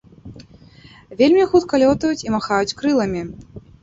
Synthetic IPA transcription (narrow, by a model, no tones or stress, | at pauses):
vʲelʲmʲixut̪kɐlʲɔt̪ɐjut͡sʲimaxajut͡sʲkɾɨlˠɐmʲi